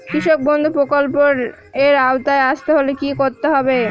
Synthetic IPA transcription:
kɾiʃok̚bond̪ʱupɾokolpoɾ | eɾaot̪aeaʃt̪eɦolekikoɾt̪eɦɔbe

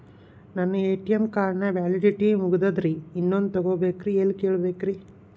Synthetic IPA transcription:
nɐnːɐeːʈijɐmkaːɾɐɳɐʋaːliɖiʈimuɡud̪ɐd̪ɾiːnːond̪ut̪ɐɡobeːkɾieːlkeːɭbeːkɾi

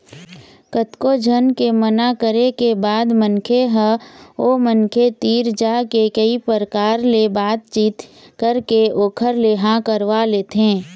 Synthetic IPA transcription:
kət̪kod͡ʒʱənkemənakəɾekebaːd̪mənkʰeɦə̃oːmənkʰet̪iːɾd͡ʒakekəipəɾəkaːɾlebaːt̪̚t͡ʃiːt̪kəɾkeʔoːkʰəɾleɦãkəɾʋaleːt̪ɦẽː

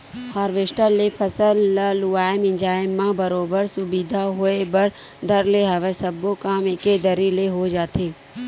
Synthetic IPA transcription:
haːɾʋesʈəlːepʰɐsəllːʊaːɪmɪ̃nd͡ʒaːɪmːãbəɾoːbəɾsʊbid̪ʱaɦoebəɾd̪ʱɐɾleɦɐʋesəbːokaːmɪked̪əɾileɦod͡ʒaːt̪eː

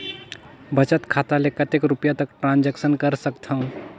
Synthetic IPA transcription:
bət͡ʃət̪kʰat̪alekət̪ekɾupjat̪əkʈɾãnd͡ʒeksənkəɾsəkt̪ʰəũ

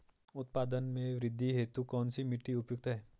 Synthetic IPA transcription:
ʊt̪̚paːd̪ənmẽʋɾɪd̪ʱːiɦeːt̪ukɔːnsimɪʈːiʊpjʊk̚t̪ɦɛː

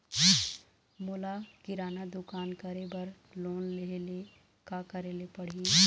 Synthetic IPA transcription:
mʊlakɪɾaːnad̪ʊkaːnkɐɾebɐɾloːnlele | kakɐɾeːlepɐɽ̤i

